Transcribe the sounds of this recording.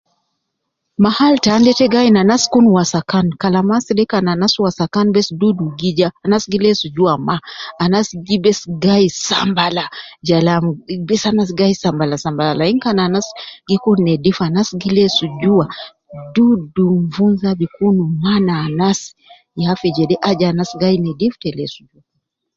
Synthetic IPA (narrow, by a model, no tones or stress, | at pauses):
mahaltaːndɛtɛɡainanaskunuwasakankalamasilɛkananaswasakanbɛsduduɡid͡ʒaːnasɡilɛsud͡ʒuamaːnasiɡibɛsɡaisa̰mbalad͡ʒalambɛsanas̬iɡaisambalasambalalaiŋkananasi̥ɡikunɛdifanasiɡilɛsud͡ʒua | duduɱvunzabikunumanaːnasi̥ | jafid͡ʒɛɗɛʔad͡ʒaːnasiɡainɛdiftɛlɛsud͡ʒua